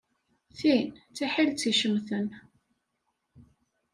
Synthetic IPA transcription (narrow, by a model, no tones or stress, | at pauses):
θint͡sːiħilt͡sːiʃəmθən